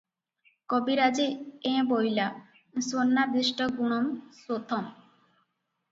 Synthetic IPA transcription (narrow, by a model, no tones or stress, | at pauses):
kobiɾad͡ʑeẽbojla | sonːaɾd̪ɾiʃʈɔɡuɽ̃omsot̪ʰɔm